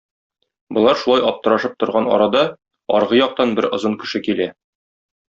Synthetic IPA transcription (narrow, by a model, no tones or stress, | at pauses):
bŏlˠɑɾʃulˠɑjɒp̚t̪ɤ̆ɾɑʃɤp̚t̪ŏɾʁɑnɒ̰ɾɑd̪ɑ | ɒ̰ɾʁɤjɒq̚t̪ɑnbɘɾŏzɤŋkɘ̆ʃɘkilæ